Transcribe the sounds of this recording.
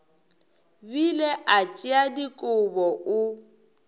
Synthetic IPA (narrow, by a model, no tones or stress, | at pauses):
bileʔat͡ʃʼɪadikʼʊbɔʊ